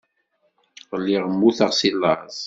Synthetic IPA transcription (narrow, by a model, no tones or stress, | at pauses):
ʁəlːiʁəmːuθəʁsilːə̰zˤ